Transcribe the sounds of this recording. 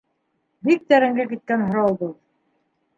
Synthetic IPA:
bik̚t̪æɾæŋɡækit̪̚kænɦŏɾɑw̪ˠbɤlˠ

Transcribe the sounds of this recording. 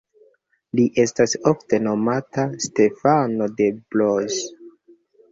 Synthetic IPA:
liʔe̞stasofte̞no̞mataste̞fano̞de̞bloz

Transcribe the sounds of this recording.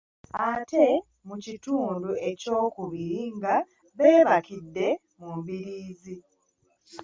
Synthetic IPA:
ate̞ | mucituːndue̞co̞ːkuβiɾiŋɡa | βe̞ːβakidːe̞ | mumβiɾiːzi

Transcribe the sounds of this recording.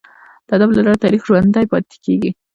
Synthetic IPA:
d̪̥əad̪ablalɑɾt̪ɑɾixʒwand̪ajpɑt̪ɪ̥keɡi

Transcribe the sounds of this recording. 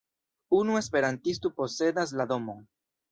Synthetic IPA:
unue̞spe̞ɾant̪is̬t̪upo̞se̞ðaslaðo̞mo

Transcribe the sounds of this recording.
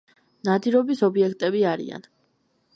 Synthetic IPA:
nad̪iɾɔbisɔbiɛkʰt̪ʼɛbiaɾḭa̰n

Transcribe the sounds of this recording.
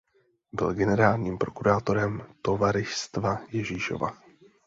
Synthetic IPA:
bɪ̰lɡɛnɛɾaːlɲiːmpɾo̞kuɾaːt̪o̞ɾɛmt̪o̞vaɾɪʃst̪vajɛʒiːʃo̞̰va̰

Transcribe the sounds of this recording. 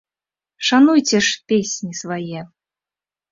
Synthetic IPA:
ʂanujt͡sʲɛʂpʲesʲnʲisvajɛ

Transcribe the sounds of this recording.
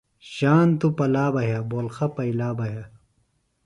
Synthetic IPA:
ɕaːnt̪upɐlaːbɐɦjɐboːlxɐpɐilaːbɐɦja

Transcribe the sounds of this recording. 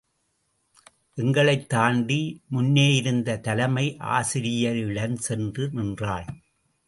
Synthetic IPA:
ʔɛŋɡɐɭɐɪt̪ːaːɳɖimʊnːeːjɪɾɯnd̪ɐt̪ɐlɐmɐɪʔa̰ːsɪɾɪjɐɾɪɽɐnsɛndrɯnɪndraːɭ

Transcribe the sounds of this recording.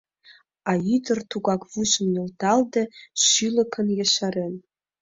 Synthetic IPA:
ɑyd̪ə̆rt̪uɣɑkvuʃə̆mjɤ̆lt̪ɑld̪ĕʃylə̆kʰə̆njĕʃɑɾen

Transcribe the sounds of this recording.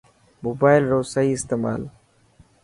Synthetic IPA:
moːbaːɪlɾoːsaiːɪst̪eːma̰ːl

